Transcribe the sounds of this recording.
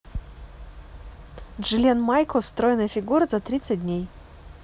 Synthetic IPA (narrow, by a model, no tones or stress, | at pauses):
ʐɨlʲenmajklˠst̪ɾojnəjəfʲɪɡuɾəzat̪ɾʲit̪sɨt̚ʲdʲnʲej